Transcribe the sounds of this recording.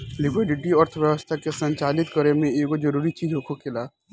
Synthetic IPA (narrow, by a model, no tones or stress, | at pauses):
lɪkwɪɖɪʈiəɾt̪ʰəʋjəʋəst̪ʰakesə̃ɲt͡ʃaːlɪt̪kəɾemẽeːkod͡ʒɐɾuːɾit͡ʃiːd͡ʒɦokʰokʰɪlaː